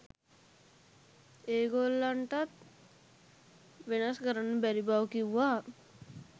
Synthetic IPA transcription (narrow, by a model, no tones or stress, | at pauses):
eːɡolːaɳʈat̪̚ | ʋenaskəɾanːəbæɾibaʋkiʋʋaː